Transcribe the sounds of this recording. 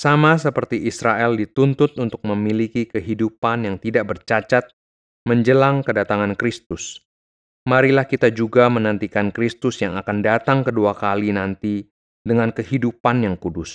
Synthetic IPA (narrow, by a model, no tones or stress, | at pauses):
samas̬əpərt̪iʔisɾaʔɛldit̪unt̪ʊt̪̚unt̪ʊk̚məmilikikəɦidupanjaŋt̪idaʔ̚bərt͡ʃat͡ʃat̪̚ | məɲd͡ʒəlaŋkədat̪aŋankɾist̪ʊs | maɾilahkit̪ad͡ʒuɡamənənt̪ikankɾist̪ʊsjaŋakandat̪aŋkəduakalinant̪i | dəŋankəhidupanjaŋkudʊs